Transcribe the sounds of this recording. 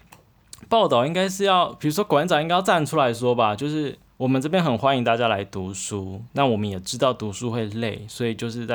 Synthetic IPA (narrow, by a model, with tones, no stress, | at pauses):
pɑ˥˩ʊt̪ɑ˥˩ʊi˦˥ŋɡa˥ɪʂɻ̩˥˧jɑ˥˨˩ʊpʰi˨˩ɻu˧˥ʂwɔ˥kwa˧˦nt͡sɑ˨i˥ŋa˥jʊt͡sa˥˩nʈ͡ʂʰu˥la˧˥ɪʂwɔ˥ba˨t͡ɕjo˥˧ʊʂɻ̩˥˩ | wɔ˨˩mə˦nʈ͡ʂɤ˥˧pjɛ˥nxə˨˩nxwa˥ni˧˥ŋt̪a˥˩t͡ɕja˥la˧˥ɪt̪u˨˥ʂu˥na˥˩wɔ˨˩mə˨˦njɛ˨˩ʈ͡ʂɻ̩˥t̪ɑ˥˩ʊt̪u˧˥ʂu˥xwe˥˧ɪle˥˨ɪswɔ˧˥i˨˩t͡ɕjo˥˧ʊʂɻ̩˥˧t͡sa˥˨